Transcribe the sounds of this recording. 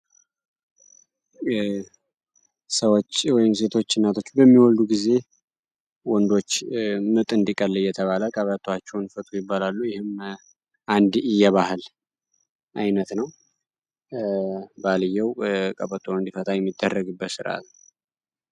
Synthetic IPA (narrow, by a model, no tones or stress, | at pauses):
səwot͡ʃːwɔjɪmse̞t̪ʰo̞t͡ʃːɪnːat̪ʰo̞t͡ʃːbəmːiwɔld̪uɡize̞ | wɔnd̪o̞t͡ʃːmɨt̪ʼɨnd̪ikʼəlːjːɛt̪ʰəβaləkʼəβət̪ʰʼwat͡ʃːɛwnfət̪ʼujɪbːalalːujɪhɪm | ʔand̪ɪjːɛβahɨl | ʔajnət̪nəw | balɨjːɛwkʼəpʼət̪ʰʼːoɨnd̪ifət̪ʼajɛmːid̪ːərːəɡɨbːət̪sɨɾa̰t̪n